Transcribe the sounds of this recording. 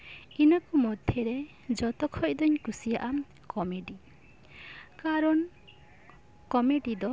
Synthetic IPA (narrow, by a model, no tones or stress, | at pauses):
inakɔmɔd̪ʱjɔɾe | d͡ʒɔt̪ɔkʰɔjd̪ɔɲkusijaʔa | kɔmeɖi | kaɾɔn | kɔmeɖid̪ɔ